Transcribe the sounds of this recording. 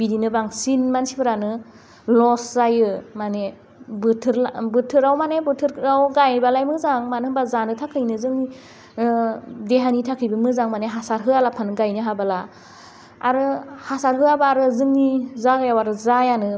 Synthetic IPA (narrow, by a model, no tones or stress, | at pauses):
bidinɯbaŋsinmansibɯɾanɯ | lɔszajɯmane | bɯtʰɯɾlbɯtʰɯɾawmanebɯtʰɯɾɾawɡajbalajmɯzaŋmanɯɯbazanɯtʰakʰɯjnɯzɯŋni | deɦanitʰakʰɯjbɯmɯzaŋmaneɦasaɾɦɯalapʰanɯɡajnɯɦabalaː | ɾɯhasaɾɦɯabaːɾɯzɯŋnizaɡajawaɾɯzajanɯ